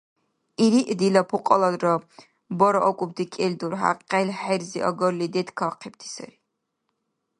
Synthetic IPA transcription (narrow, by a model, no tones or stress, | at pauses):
iɾiʔd̪ilapʰuqʼɔlad̪rɔ | bɔɾɔʔɔkʼubd̪ikʼɛld̪uɾɦa̰qʼːɛlħɛɾziʔɔ̰ɡɔɾlid̪ɛd̪kʰaqʰib̚t̪ʰi̥sɐ̰ɾi